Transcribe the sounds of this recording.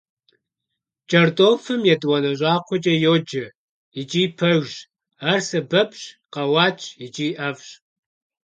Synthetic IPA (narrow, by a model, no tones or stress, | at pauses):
t͡ʃʼɐrdoːfɨmjɛdwɐnɐʑʷʼɑːqʷɔt͡ʃʼɐjoːd͡ʒɐ | it͡ʃʼiːpʰɐɣʒ | arsɐbɐpʰɕqɐwɑːt͡ʃʰʼit͡ʃʼiːʔɐvɕ